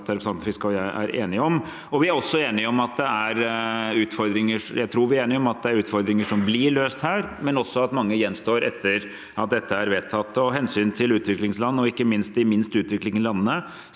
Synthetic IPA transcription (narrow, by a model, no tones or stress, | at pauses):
t̪æɾʊpɾsɑnəfɪskəɔjæʔæ̰ɾʔḛːnɪɔm | ɔʋɪæɾɔsːɔeːnɪɔmɑt̪̚d̪ɛæɾʉːt̪fɔɾd̪ɾɪŋəʂjæɪt̪ʰɾuːɾʋɪæeːnɪɔmɑt̪̚d̪ɛæɾʉːt̪fɔɾd̪ɾɪŋəʂɔmblɪɭøːst̪hæːɾmɛnɔsːɔɑt̪mɑŋːəjɛnːst̪oːɾʔɛ̰t̪ʰːəɾ | ʔɑt̪̚d̪ɛt̪ːəæɾʋeːt̪ʰːɑt̪ːəɔɦɛnsyːnt̪ʰɪlʉːt̪ʋɪklɪŋslɑnːɔɪkːəmɪnst̪̚d̪ɪmɪnst̪ʉːt̪ʋɪklɪŋəlɑnːənə